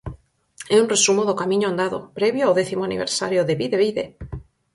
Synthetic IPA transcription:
eunresumoðokamĩɲoãnd̪aðo̰pɾeβjoawðeθimoanḭβ̞ḛɾsa̰ɾjoðeβiðeβiðe

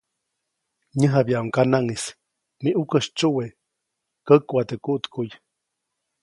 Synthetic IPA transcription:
ɲəɦabjaʔuŋkanaŋis | miʔukəʃt͡ʃuwe | kəkwat̪əkuʔt̪kuj

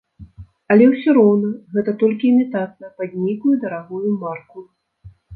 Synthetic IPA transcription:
ɐlʲɛwsʲɔɾɔwnɐɣɛt̪ɐt̪ɔlʲkʲimʲit̪at̪̚nɐpad̪ʲnʲikujɛd̪ɐɾaɣujumarku

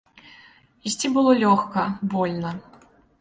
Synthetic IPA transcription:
isʲt͡sʲibɨlˠɔlʲɔxkɐbɔlʲnɐ

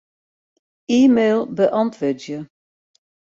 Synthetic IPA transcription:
iːmeːlˠbəʔɑntʰʋødjə

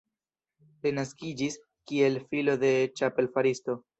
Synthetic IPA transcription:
linaskid͡ʒis | kie̞lfilo̞d̪e̞t͡ʃape̞lfaɾisto̞

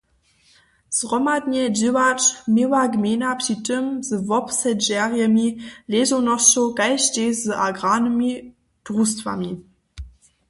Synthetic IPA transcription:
z̥ʁɔmadnɛd͡ʑiwat͡ʃmɪwaɡmeːnapɕitəmzəvɔpsɛʒɛʁjəmileːzonɔt͡ʃokaɪʃteːzəʔaɡʁaːnəmi | d̥ʁustva̰mi

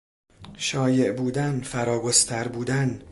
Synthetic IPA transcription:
ʃɒːje̞ʔbuːd̪ænfæɾɒːɡost̪ʰæɾbuːd̪æn

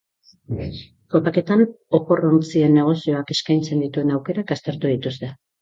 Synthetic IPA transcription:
ko̞pake̞t̪an | o̞po̞ront͡sie̞nːe̞ɣ̞o̞sio̞ake̞skajnt͡se̞nd̪it̪ue̞nawke̞ɾakast̪eɾt̪uð̞it̪ust̪e̞

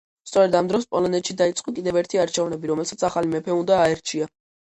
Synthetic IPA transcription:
st̪sʼɔɾɛd̪amd̪ɾɔspʼɔlɔnɛt̪ʃid̪ait̪sʼqʼɔkʼid̪ɛvɛɾt̪ʰiaɾt͡ʃʰɛvnɛbiɾɔmɛlsat̪sʰaχalimɛpʰɛund̪aːɛɾt͡ʃʰia

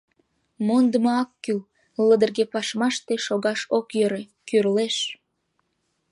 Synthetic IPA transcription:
mond̪əmoɑkːyl | ləd̪ərɣepɑʃmɑʃt̪eʃoɣɑʃokjøɾe | kyrleʃ

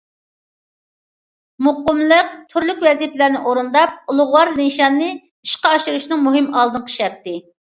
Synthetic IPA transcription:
muqʊmlˠəq̚t̪ʰyɾlykʲwɛziplɪɾnɪʔoɾund̪ɑp̚ulˠʊʁwɑɾlinʃɑnːɨ | iʃqɑɑʃɨɾuʃnɨŋmuɦɨmɑlˠd̪ɨnqʰə̥ʃɛt̪ːɪ

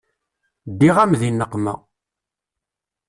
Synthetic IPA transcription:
d̪ːiʁæmðinːəqːmæ̰

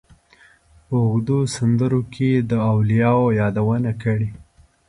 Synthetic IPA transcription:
pəʊɣd̪usand̪əɾokʰed̪əawlijɑwojɑd̪awənakəɽe

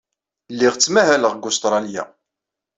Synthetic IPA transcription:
lːiʁt͡sːmæɦæləʁɡʊst̪ɾˤɑlja̰

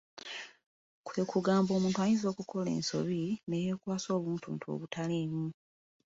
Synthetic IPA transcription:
kwe̞ːkuɡaːmbo̞ːmuːntuajinzo̞ːkukʰo̞le̞̰ːnso̞̰βineje̞ːkwaːso̞ːβuːntṵːntʰo̰βutaleːmu

